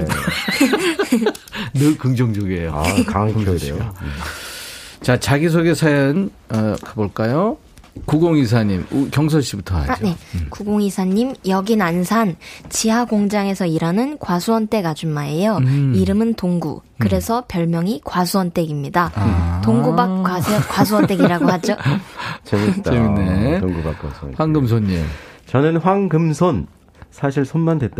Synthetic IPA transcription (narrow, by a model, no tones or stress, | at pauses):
nɯkɯŋd͡ʑʌŋd͡ʑoɡiejo | t͡ɕat͡ɕaɡis̬ʰoɡe̞sʰajʌn | ʌkaboɭk͈ajo | kuɡoŋis̬ʰaɲimukjʌŋs̬ʰʌɭɕ͈ibutʰʌa̰ɲe̞kuɡoŋisʰaɲːimjʌɡinansʰant͡ɕiɦaɡoŋd͡ʑaŋe̞sʰʌiɾanɯnkwasʰuʌnt͈e̞ɡad͡ʑunmae̞joiɾɯmɯntoŋɡṵ | kɯɾe̞sʰʌpjʌɭmjʌŋikwasʰuʌnt͈e̞ɡimɲidatoŋɡubakwaskwas̬ʰuʌnt͈e̞ɡiɾaɡohad͡ʑot͡ɕeɲit͈aetoŋɡuba̰kwa̰sʰuʌ̰waŋɡɯms̬ʰonːḭt͡ɕʌnɯnɸwaŋɡɯmsʰon | sʰaɕʰiɭsʰonmandwe̞t̚t͈a